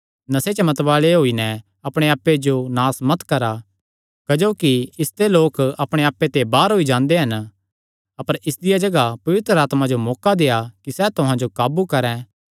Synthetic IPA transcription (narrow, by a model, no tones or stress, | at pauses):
nɐset͡ʃɐmɐt̪ʋaːleɦoːinɛ | ɐpɽ̃eaːpːed͡ʒonaːsmɐt̪kɐɾa | kɐd͡ʒoːkiɪst̪eloːkɐpɽ̃eaːpːet̪ebaːɾɦoːid͡ʒãːnd̪eɦɐn | ɐpəɾɪsd̪ɪjad͡ʒɐɡapɐʋɪt̪ɾəaːt̪mãd͡ʒomɔːkad̪eːjakisɛt̪ʊɦãd͡ʒokaːbukɐɾɛ̃